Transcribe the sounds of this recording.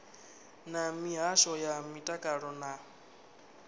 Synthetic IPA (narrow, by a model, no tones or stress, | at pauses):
namiɦaʃɔjamitʼakʼaɺɔna